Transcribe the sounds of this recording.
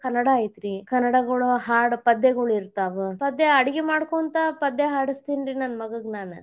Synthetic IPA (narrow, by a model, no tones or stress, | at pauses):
kɐnːɐɽɐːjit̪ɾikɐnːɐɽɐɡɐɭuɦaːɽpɐd̪ːeɡɐɭiɾt̪aːʋupɐd̪ːeɐɽiɡemaːɽkoːnt̪ɐpɐd̪ːeɦaːɽist̪iːnɾinɐnmɐɡɐɡnaːnu